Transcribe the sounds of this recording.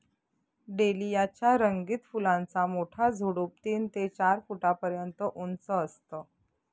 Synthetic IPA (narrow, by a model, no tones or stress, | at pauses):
ɖelijat͡ɕjaɾəŋɡit̪fulãnt͡samoʈʰad͡zʱuɽup̚t̪iːnt̪et͡ɕaɾfuʈapəɾjənt̪əʔunt͡səːst̪ə